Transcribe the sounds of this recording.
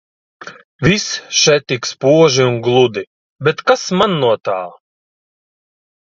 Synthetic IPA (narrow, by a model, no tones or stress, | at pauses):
visʃɛt̪ikspuɔʒiunɡlˠud̪i | bɛt̪kasmanːuɔt̪aː